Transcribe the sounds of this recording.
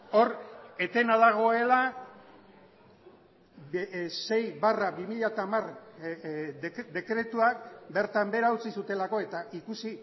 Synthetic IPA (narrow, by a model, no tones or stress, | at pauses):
o̞ɾe̞t̪e̞naðaɣ̞o̞e̞la | se̞jβaraβimiʎat̪amar | d̪e̞kɾe̞t̪uak̚be̞ɾt̪ambe̞ɾaut͡sisut̪e̞lako̞e̞t̪aʔikusi